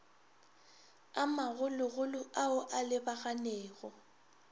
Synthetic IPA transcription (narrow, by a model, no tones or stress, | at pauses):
amaɣʊlʊɣʊlʊʔaʊʔalɪbaɣanɛːɣɔ